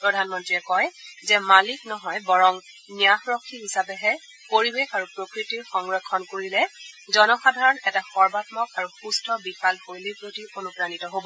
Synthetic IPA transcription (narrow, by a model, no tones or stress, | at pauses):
pɹɔdʱanmɔntɹiɛkɔjzɛmaliknɔɦɔjbɔɹɔŋ | nijaxɹɔkʰːiɦisapɛɦɛ | poɹibekaɹupɹokɹitiɹxɔŋɹɔkʰːɔnkoɹilɛzɔnɔxadʱaɹɔnɛtaxɔɹbatmɔkaɹuxustɔbixalxojlipɹotiɹonupɹanitɔɦobɔ